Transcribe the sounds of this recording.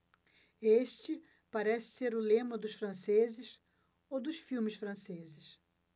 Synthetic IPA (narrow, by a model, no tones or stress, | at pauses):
eʃt͡ʃɪ | paɾɛsɪ̥seɾʊlẽmɐd̪ʊsfɾɐ̃sezɪs | owd̪ʊʃfiwmɪsfɾɐ̃sezɪs